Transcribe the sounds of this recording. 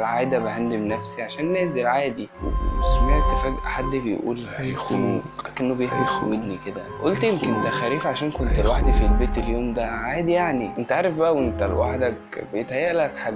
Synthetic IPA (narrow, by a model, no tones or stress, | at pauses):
lʕaːjd̪æbehænd̪emnæfsiʕaʃæːnːæːzelʕaːd̪iwḛsmæet̪ːefæːɡħad̪ːbejʔṵːlhæjæxṵːnækenːobejehmed̪xo̰wːed̪niked̪æʔolt̪jemkent̪æxæɾiːfʕaʃæːnkont̪elwaħd̪ifilbeːt̪eljoːmd̪æʕaːd̪ijaʕniʔent̪æʕaːɾˤefbæʔæwʔent̪ælwaħd̪æk | bejet̪hæjːæʔlækħad̪